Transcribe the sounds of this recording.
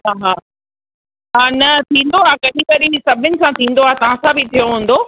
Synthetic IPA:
ɦaɦaː | aːnɐt̪ʰĩːn̆d̪oaːkɐɗĩkɐɗisɐbʱɪnɪ̆sãt̪ʰĩːn̆d̪oaːt̪ɐʋ̤ãsãbɪt̪ʰijoɦũːn̆d̪oː

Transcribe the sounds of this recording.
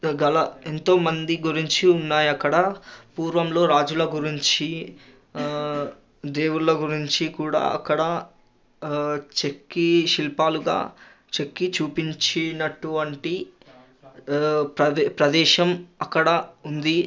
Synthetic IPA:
ɡɐlɐent̪o̞ːmɐnd̪iɡuɾiɲt͡ʃiunːaːjɐkːɐɽɐpuːɾʋɐmlo̞ːɾaːd͡ʒulɐɡuɾiɲt͡ʃi | d̪eːwulɐɡuɾiɲt͡ʃikuːɽa̰ːɐ̰kːɐɽɐ | t͡ʃe̞kːiʃilpaːluɡa̰ː | t͡ʃe̞kːit͡ʃuːpiɲt͡ʃinɐʈːuɐɳʈi | pɐpɾɐd̪ɛːʃɐmɐkːɐɽɐund̪i

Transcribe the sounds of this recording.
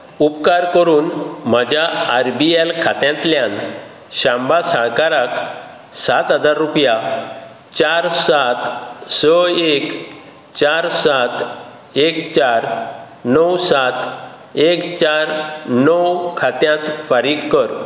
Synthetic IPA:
upkaɾkəɾuːnm̤ad͡ʑjaaɾbielkʰat̪jãnt̪ljãn | ɕãmbasaɭkaɾak | sat̪ɦəd͡zaɾːupja | t͡ɕaɾsat̪səek | t͡ɕaɾsat̪ | ekt͡ɕaɾ | nəwsat̪ | ekt͡ɕaɾnɔwkʰat̪jãt̪faɾiːɡkːəɾ

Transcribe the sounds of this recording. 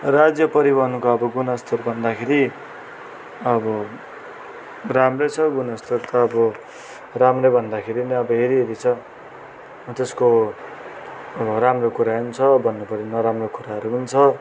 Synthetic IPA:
rad͡zjʌpʌɾibʌɦʌnukoʌbʌɡunʌst̪ʰʌrbʱʌnd̪akʰeɾi | ʌbʌ | ramrʌt͡sʰʌɡunʌst̪ʌrt̪ʌːbʌ | ramrʌbʱʌnd̪akʰeɾiniʌbʌɦeɾiɦeɾit͡sʰʌ | t̪esko | ʌbʌɾamrokuɾaɦunt͡sʰʌbʱʌnːopʌɾinʌɾamrokuɾaɦʌɾuɦunt͡sʰʌ

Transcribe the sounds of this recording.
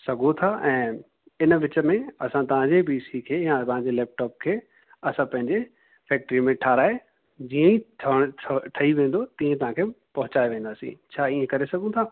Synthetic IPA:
sɐɡʱot̪ʰaʔɛ̃ː | ɪnʋɪt͡ɕə̆mẽɐsãt̪ɐʋ̤ãɲd͡ʑebiːsikʰeːjãpɐɦãɲd͡ʑelɛːp̚ʈɔːp̚kʰeː | ɐsãpɐ̃ɦɪ̃ɲd͡ʑe | fɛːk̚ʈɾimẽʈʰaːɾaːɦe | d͡ʑiːə̃iʈʰʈʰʈʰɐiʋẽːn̆d̪ot̪ĩːẽt̪ɐʋ̤ãkʰepɐɦʊt͡ɕaːeʋẽːnd̪aːsḭ̃t͡ɕʰaːiẽkɐɾesɐɡʱũt̪ʰaː

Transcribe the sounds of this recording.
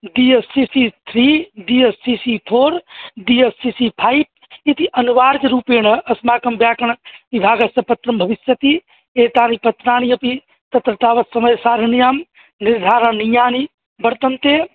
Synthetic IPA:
ɖiesːisit̪ʰɾiɖiesːisipʰoːɾɖiesːisipʰaːip̚ | it̪iʔɐnuʋaːɾkɾuːpeːɳɐɐsmaːkɐmbjaːkɐɳ̃ʋibʱaːɡɐsɐpɐt̪ɾɐmbʱɐʋisjɐt̪i | eːʈ̪aːnipɐt̪ːɾaːñijɐpi | t̪ɐt̪ɾɐt̪aːʋɐt̪sɐməjsaːɾɐnijaːm | niɾd̪ʱaːɾəɳnijaːni | bɐɾt̪ənt̪e

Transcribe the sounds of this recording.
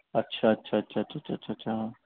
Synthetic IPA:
ɐtːɕʰaətːʃʰaɐtːʃʰaɐtːɕʰatːt͡ʃʰaːtːɕʰatːɕʰaɦ

